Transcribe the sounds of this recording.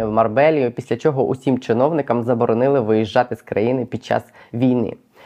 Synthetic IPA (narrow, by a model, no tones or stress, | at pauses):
ɐwmɐrbɛlʲijʊpʲisʲlʲɐt͡ʃɔɦɔʔʊsʲimt͡ʃɪnɔwnɪkɐmzɐbɔɾɔnɪlˠɪʋɪjiʒːɑt̪ɪskɾɐ̰jinɪpʲid̪̚t͡ʃɑ̰s | ʋʲijnɪ̰